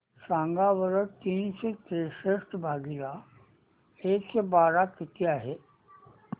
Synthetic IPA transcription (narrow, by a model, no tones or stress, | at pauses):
sãːŋɡaʋəɾət̪iːnset̪ɾeːʃesʈbʱaːɡila | eːksebaːɾakɪt̪ijaɦɛː